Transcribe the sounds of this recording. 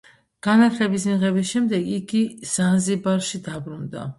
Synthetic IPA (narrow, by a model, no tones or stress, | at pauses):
ɡ̥anat̪ʰlɛbis̬miʁɛbisʃɛmd̪ɛɡiɡiz̥anzibaɾʃid̪abɾund̪a̰